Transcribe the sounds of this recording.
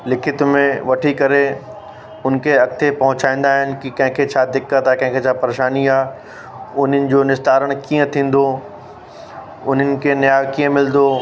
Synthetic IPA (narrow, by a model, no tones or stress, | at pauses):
lɪkʰɪt̪mẽʋɐʈʰikɐɾe | ʊnkʰeɐk̚t̪ʰepɐɦʊt͡ɕaːĩːn̆d̪aːɦɪnɪ̆kikɐ̃ɦɪ̃kʰet͡ɕʰaːd̪ɪkːət̪akɐ̃ɪ̃kʰet͡ɕʰaːpɐɾeːʃaːniaː | ʊn̤ənɪ̆d͡ʑoːnɪst̪aːɾəɽ̃kiːə̃t̪ʰĩːn̆d̪o | ʊn̤ənɪ̆kʰenjaːʋkiə̃mɪld̪o